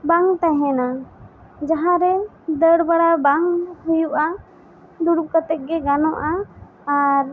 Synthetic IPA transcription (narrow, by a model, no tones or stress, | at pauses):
baŋt̪aɦɛ̃na | d͡ʒaɦãɾɛ | d̪əɽbaɽabaŋɦujuʔa | d̪uɽukət̪ɛk̚ɡɛɡanɔʔaː | ɾ